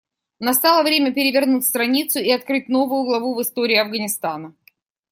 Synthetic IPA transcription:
nɐst̪alˠəvɾʲemʲəpʲɪɾʲɪvʲɪrnut̚ʲst̪ɾɐnʲit̪sʊɪɐt̪̚kɾɨt̚ʲno̞vʊjʊɡlˠɐvuvɨst̪o̞ɾʲɪːɐvɡənʲɪst̪anə

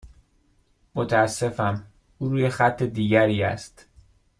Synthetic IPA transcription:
mot̪ʰæːsːe̞fæm | uːɾuːjexæt̪ʰːe̞d̪iːɟæɾiːæ̰st̪

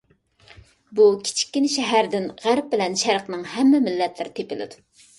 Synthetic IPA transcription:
bukʲʰi̥t͡ʃʰi̥kʲːinɪʃɛɦæɾd̪ɪnʁæɾp̚bɪlɛnʃæɾqnɨŋhɛmːɪmɪlːɛt̪ʰlɪɾɪt̪ʰepɪlɪ̰d̪u

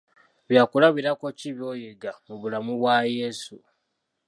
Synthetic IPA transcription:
βjaːkulaβiɾako̞ciβjo̞ːjeɡamuβulamuβwajesu

